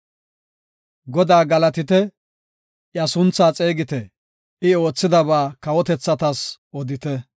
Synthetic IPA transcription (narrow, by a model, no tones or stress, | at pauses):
ɡɔd̪aːɡɐlɐt̪ɪt̪ɛ | ʔjɐsʊnt͡sːaːt͡sʼeːɡɪt̪ɛ | ʔɪo̞ːt͡sːɪd̪ɐβaːkɐwɔt̪ɛt͡sːɐt̪ɐsʔɔd̪ɪt̪ɛ